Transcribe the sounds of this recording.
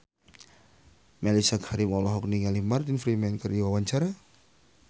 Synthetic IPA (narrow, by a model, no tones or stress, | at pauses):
mɛlisakhaɾimɔlɔɦɔk̚niŋalimart̪infɾimɛnkəriwawaɲt͡ʃaɾa